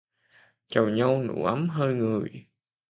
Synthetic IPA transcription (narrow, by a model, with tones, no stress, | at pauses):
t͡ɕə˨˩wɲa˧wnṵ˧˩ʔa˨˦mɦəː˧jŋɨ˨˩əj